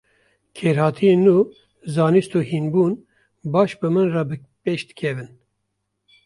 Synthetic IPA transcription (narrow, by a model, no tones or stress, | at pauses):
kʰeːɾhɑːt̪ʰijeːnːuː | zɑːnist̪uːhinbuːn | bɑːʃbɨmɨnrɑbɨ | peːʃd̪ɨ̥kʰɛvɨn